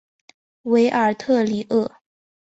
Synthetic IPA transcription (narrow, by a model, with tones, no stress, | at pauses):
we˧˥ɪʔə˞˨˩t̪ʰɤ˥˩li˨˩ʔɤ˥˩